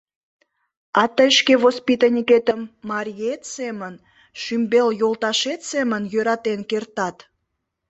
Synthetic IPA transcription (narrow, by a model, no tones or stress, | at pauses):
ɑt̪əjʃkevospit̪ənʲiket̪əmːɑɾʲijet̪semən | ʃymbeljolt̪ɑʃet̪semənjøɾɑt̪enkert̪ɑt̪